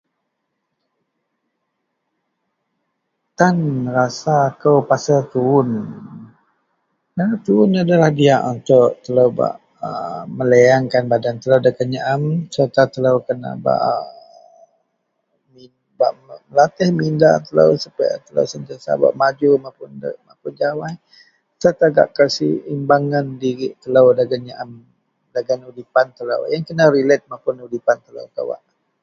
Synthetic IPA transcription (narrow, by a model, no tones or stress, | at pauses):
t̪anrasakəwpasəlt̪uʊn | nanat̪uʊnadalahdiaʔunt̪ʊʔt̪ələwba̰ʔ | əməleaŋkanbadant̪ələwdəkəɲaʔamsərt̪at̪ələwkəna̰ʔba̰ʔ | mi | ba̰ʔməlat̪ɪhmindat̪əla̰wsəpa̰t̪əla̰wsənt̪iasa̰ba̰ʔmad͡ʒumapʊnmapʊnd͡ʒawaj | səɾt̪aɡa̰ʔkasḭimbaŋandiɣiʔt̪əlawdaɡanɲaʔam | daɡanudipant̪əla̰wjaŋkənaɾilɛt̪̚mapʊnudipant̪əla̰wka̰wa̰ʔ